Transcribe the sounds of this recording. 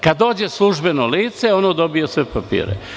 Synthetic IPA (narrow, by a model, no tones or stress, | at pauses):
kad̪ːo̞ːd͡ʑeslˠuʒbe̞noliːt̪seo̞nod̪o̞bijosʋepapḭːɾḛ